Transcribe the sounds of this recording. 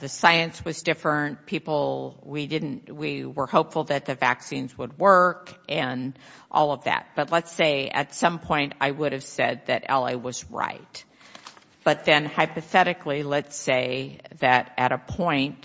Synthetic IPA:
ðɨsaɪɨ̃nswʌzdɪfɹə̃npʰipl̩ˠwidɪdⁿn̩twiwə˞hoʊpfl̩ˠðɨt̪̚ðɨvæ̰ksĩnzwəd̚wɜ˞kʔɨ̃n | ʔɔ̰lˠʌvðæ̰t̚b̥ʌtˡlətseɪɨ̰tsʌ̃mpʰɔ̃ɪ̃nta̰ɪwʊɾɨv̥sɛd̪̚ðɨɾɛ̰lˠeɪwʌzɹa̰ɪt̚ | b̥ʌt̪̚ðɨ̃nhaɪpɨθɛɾɨklilɨtseɪðɨɾɨɾɨpʰɔ̃ɪ̃nt̚

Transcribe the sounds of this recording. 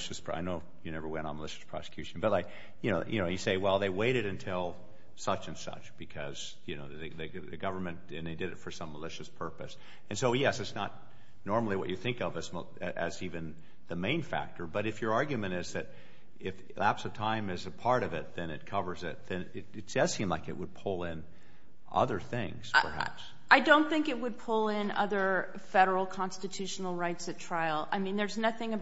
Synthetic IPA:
ʃɨspʰa̰ɪnoʊ | jɨnɛvə˞wɛ̃ɾ̃n̩məlɪʃɨ̥spʰɹ̥ɑ̰sə̥kʰj̥ʉʃn̩bʌt̚ˡlaɪk | jɨnoʊjʔɨ̰noʊjɨseɪwɛlˠðeɪweɪɾɨɾɨ̃ntʰɪlˠ | sʌt͡ʃɨ̃nsʌ̰t͡ʃb̥ɨkʰʌz̥ | jɨnoʊððɨðɨ | ðɨɡʌvə˞mɨ̃n | ɨ̃nðeɪdɨɾɨtfə˞sʌ̃mːəlɪʃɨspʰɜ˞pɨs | ɨ̃nsoʊjɛsɨtsnət̚ⁿ | nɔɹml̩ˠiwʌ̰t͡ʃɨθɪ̃ŋkʌvɨzm | ʔɨzivɨ̃n | ðɨmẽɪ̃nfæ̰k̚tʰə˞bʌɾɨfjə˞ɑɹɡjʉmɨ̃ɾ̃ɪzðɨɾ | ʔɪf | læ̰psɨtʰãɪ̃mɨzɨpʰɑɹɾʌvɪt̪̚ðɨ̃nɨt̚kʰʌvə˞zɪ̰t̪̚ðɨ̃nɪɾɨtsɛsĩmlaɪkɨ̰ʔ̚wəd̚pʰʊlˠɪ̃n | ʔʌ̰ðə˞θɪ̃ŋz̥pʰə̰˞hæ̰ps | aɪdõʊ̃nθɪ̃ŋkɨt̚wɨd̚pʰʊlˠɪ̃nʌ̰ðə˞ | fɛɾə˞l̩ˠkʰɑ̃nstɨtʰʉʃn̩l̩ˠɹaɪtsɨtʰɹ̥aɪl̩ˠa̰ɪmĩnðə˞znʌθɪ̃ŋɨ

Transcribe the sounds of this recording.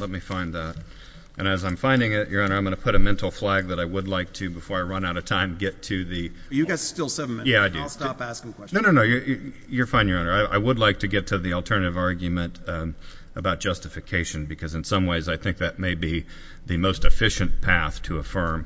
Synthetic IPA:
lɛt̚mifãɪ̃nðæɾ | ʔɨ̃ñɨzãɪ̃ɱfãɪ̃ndɪ̃ŋɪʔjə˞ʌ̃nə˞ãɪ̃mɡʌnəpʰʊɾɨmɛ̃ntʰˡl̩ˠflæɡ̚ðɨɾaɪwədˡlaɪk̚tʰɨbɨfɔɹaɪɹʌ̃naʊɾɨv̥tʰãɪ̃mɡɛtʰɨðɨ | jɨɡastɪlˠsɛvn̩mjæaɪdɨstpæskɪ̃ŋkʰw̥ɛnoʊnoʊ̃noʊjə˞j | jə˞fãɪ̃nɪ̃ŋə˞ʌ̃nə˞aɪʔa̰ɪwədˡlaɪk̚tʰɨɡɛtʰɨðil̩ˠtʰɜ̃˞nɨɾɨvɑɹɡjɨmɨ̃nt | əbaʊt̚d̥ʒ̥ʌstɨfɨkʰeɪʃɨ̃n̩bɨkʰʌzɨ̃nsʌ̃mweɪzaɪθɪ̃ŋk̚ðɨt̚meɪbi | ðɨmoʊstɨfɪʃɨ̃npʰæθtʰəəfɜ̃˞m

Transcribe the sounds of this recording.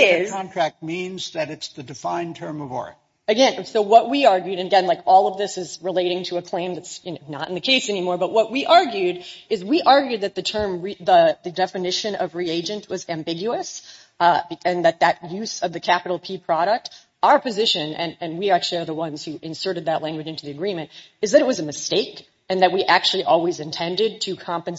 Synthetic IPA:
ɪz̥ʰɑ̃ntʰɹ̥æk̚t̚mĩnzðɨɾɨtsðɨdɨfãɪ̃ntʰɜ̃˞mʌvɔ̰ɹɨ̰ | ɨɡɛ̃nsoʊwʌʔ̚wiɑɹɡjʉɾɨ̃nɨɡɛ̃nlaɪkɔlˠʌvðɪsɨzɹɨleɪɾɪ̃ŋtʰɨɨkʰl̥ẽɪ̃mðɨtsjɨnoʊnə̰ɾɨ̃n̩ðɨkʰeɪsɛñimɔɹbʌʔ̚wʌʔ̚wiʔɑɹɡjʉɾɨzwiʔɑɹɡjʉd̪̚ðɨt̪̚ðɨtʰɜ̃˞mɹiðəðɨdɛfɨnɪʃɨ̃nʌvɹieɪd͡ʒɨ̃nʔwʌzæ̃mbɪɡjʉɨs | ɨ̃nðɨt̪̚ðɨt̚jʉz̥ʌvðɨkʰæpɨɾl̩ˠpʰipʰɹ̥ɑɾək̚t | aʊə˞pɨzɪʃɨ̃nɨ̰̃nɨ̃nwiæk̚t͡ʃʉl̩ˠiə˞ðəwʌ̃nz̥hʉʔɨ̃nsɜ˞ɾɨd̪̚ðɨʔlæ̃ŋɡwɨd͡ʒɪ̃ntʉðiɨɡɹĩmɨ̃nt | ɨzðɨɾɨt̚wʌzɨmɨsteɪk | ɨ̃nðɨt̚wiʔæk̚t͡ʃʉl̩ˠiʔɔlˠwizɨ̃ntʰɛ̃ndɨd̚tʰɨkʰɑ̃mpɨ̃n

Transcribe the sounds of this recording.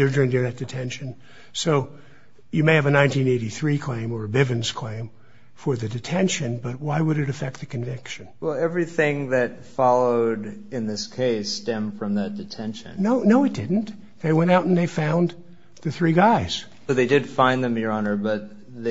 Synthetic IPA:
ə˞dɹɪ̃ndə˞ðɨt̚d̥ɨtʰɛ̃nʃɨ̃n | soʊ | jɨmeɪɨvɨnãɪ̃ntĩneɪɾiθɹikʰl̥ẽɪ̃mə˞ɨbɪvɨ̃nz̥kʰl̥ẽɪ̃m | fə˞ðɨdɨtʰɛ̃nʃɨ̃nbʌt̚waɪwəɾɨɾɨfɛk̚t̪̚ðɨkɨ̃ɱvɪkʃɨ̃nwɛlˠɛvɹiθɪ̃ŋðɨt | fɑlˠoʊɾɨ̃nðɪskʰeɪstɛ̃mfɹʌ̃mðɨt̚d̥ɨtʰɛ̃nʃɨ̰̃nnoʊnoʊɨt̚d̥ɪdⁿn̩t̪ | ðeɪwɛ̃ɾ̃aʊɾn̩ðeɪfãʊ̃n | ðɨθɹiɡaɪz̥ | oʊðeɪdɨd̥fãɪ̃nðɨ̃məɹɑnə˞bʌt̪̚ | ð

